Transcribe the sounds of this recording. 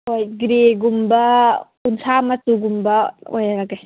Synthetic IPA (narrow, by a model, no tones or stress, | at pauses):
hojɡɾeɡumbɐ | unsʰamɐsuɡumbɐo̰jaɾaɡaj